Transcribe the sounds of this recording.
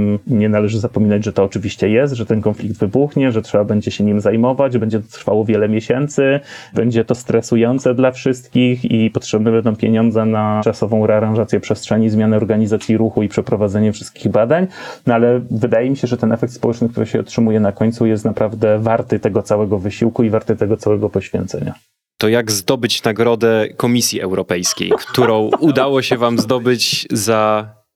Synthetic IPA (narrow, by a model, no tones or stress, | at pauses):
ɲɛnalɛʐɘzapɔmʲinad͡ʑʐɛt̪ɔːt͡ʂɘvʲiɕt͡ɕɛjɛst̪ʐɛt̪ɛnkɔnflʲikd̪vɘbuxɲɛʐɛtʂɛbabɛɲd͡ʑɛɕɛɲimzajmɔvad͡ʑbɛɲd͡ʑɛt̪ɔt̪ɾfawɔvʲjɛlɛmʲjɛɕɛnt̪sɘbɛɲd͡ʑɛt̪ɔst̪ɾɛsujɔnt̪sɛd̪lafʂɘst̪kʲixipɔtʂɛbnɛbɛnd̪ɔ̃w̃pʲjeɲɔnd̪zɛnat͡ʂasɔvɔ̃w̃ɾɛaɾãʐat̪sʲjɛpʂɛstʂɛɲizmʲjanɛɔɾɡaɲizat̪sʲjiɾuxuipʂɛpɾɔvad̪zɛɲɛfʂɘst̪kʲiɣbad̪aɲnalɛvɘd̪ajɛmʲiɕɛʐɛt̪ɛnɛfɛk̚t̪spɔwɛt͡ʂnɘk̚t̪uɾɘɕɛɔ̰tʂɘmujɛnakɔɲt̪sujɛst̪napɾavd̪ɛvaɾt̪ɘt̪ɛɡɔt̪sawɛɡɔvɘɕiwkuivaɾt̪ɘt̪ɛɡɔt̪sawɛɡɔpɔɕfʲjɛ̰nt̪sɛ̰ɲa̰ | t̪ɔjaɡzd̪ɔbɘt͡ɕnaɡɾɔd̪ɛkɔmʲisʲjiʔɛ̰wɾɔpɛjskʲḛjkt̪uɾɔ̃w̃ʔud̪awɔɕɛvamzd̪ɔbɘt͡ɕza